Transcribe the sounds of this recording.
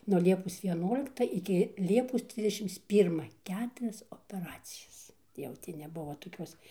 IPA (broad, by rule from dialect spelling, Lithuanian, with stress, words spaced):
nuɔ ˈlʲiɛpoːs ʋʲiɛˈnuɔlʲɪktɐ ɪkʲɪ ˈlʲiɛpoːs ˈtʲrʲɪzʲdʲɛʃʲɪms ˈpʲiːrmɐ ˈkʲæːtʊrʲɛs oːpʲɛˈrɑːt͡sʲɪjɛs jɛʊ ˈtʲɪ nʲɛˈbʊʋoː toːˈkʲuɔs